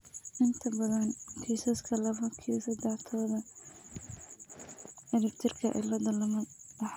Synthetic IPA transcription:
ʔɪnt̪ʰɐbɐðɐnkʰiːsɐskʰɐlɐβɐkʰisɐd̪ɛħt̪ʰɔːðɐ | ɛɾɪbt̪ʰɪrkʰɐʔɪ̰lɐd̪ɐlɐmɐɐħ

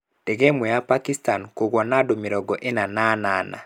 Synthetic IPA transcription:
d̥eɡemɛjapakistankoɡwɔnadomiɾɔɡɔʔenananaːna̰

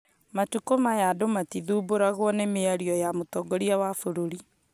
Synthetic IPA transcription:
matukomajadomatiðuːboɾaɣwɔnemeaɾiɔjamotɔɡɔɾiawafoɾoɾi

